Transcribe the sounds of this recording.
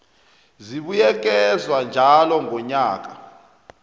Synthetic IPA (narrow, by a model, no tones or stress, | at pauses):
ziɓujɛk̬ʼɛzwand͡ʒʱalɔŋʱɔɲaːk̬ʼa